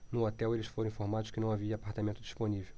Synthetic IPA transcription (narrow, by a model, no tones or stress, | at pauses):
nʊot̪ɛwelɪsfoɾ̃ĩfoɾmad̪ʊʃkɪnɐ̃w̃aviɐːpaɾt̪amẽnt̪ʊd͡ʒiʃponivew